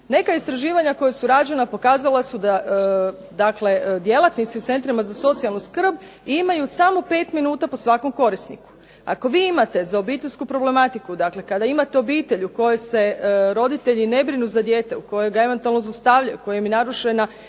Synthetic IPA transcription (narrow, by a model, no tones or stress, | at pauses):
ne̞kaist̪ɾaʒiːʋaɲako̞jesuɾad͡ʒanapo̞kaːzalˠasud̪a | d̪akle̞d̪je̞lˠat̪nit̪siut̪se̞nt̪ɾimazaso̞t̪sialˠnuskr̩b | imajusamo̞pe̞ːt̪minuːt̪apo̞sʋako̞mko̞ɾisnḭku̥ | a̰ko̞ʋiːimat̪e̞zaobiːt̪e̞ʎʲskupɾo̞ble̞mat̪ikud̪akle̞kad̪aimat̪eo̞biːt̪e̞ʎuko̞jese̞ɾo̞d̪it̪e̞ʎine̞bɾinuzad̪je̞ːt̪e̞uko̞jojɡae̞ʋe̞nt̪ualˠno̞zast̪aʋlʎajṵko̞jomjenaɾuʃena